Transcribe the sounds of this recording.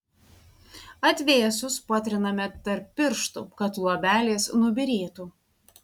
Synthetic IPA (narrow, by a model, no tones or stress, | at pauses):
ɐt̪ʲʋʲeːsʲʊspɑːt̪ʲɾʲɪnɐmʲɛt̪ɐɾpʲːɪɾʃt̪ṵːkɐt̪lˠoɔbʲæːlʲeːsnʊbʲɪɾʲeːt̪uː